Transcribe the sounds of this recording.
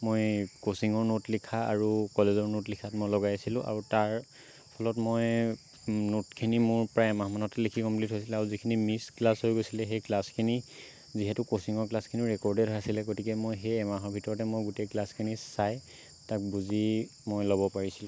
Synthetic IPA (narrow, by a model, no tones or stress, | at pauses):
mojkosiŋɔɹnotlikʰaa̰ɹukɔlezɔɹnotlikʰatmojlɔɡajsilʊ̃ʔa̰ɹutaɹ | pʰɔlɔtmoj | notkʰinimʊɹpɹajɛmaɦmanɔtɛlikʰikɔmplitɦojsilɛaɹuzikʰinimisklasɦojɡojsilɛxeklaskʰini | ziɦɛtʊkosiŋɔɹklaskʰiniɹɛkɔɹdɛdʱasilɛɡotikɛmojɦejɛmaɦɔɹbʱitɔɹɔtɛmojɡuteklaskʰinisaj | tak̚buzimojlɔbɔpaɹisilʊ̃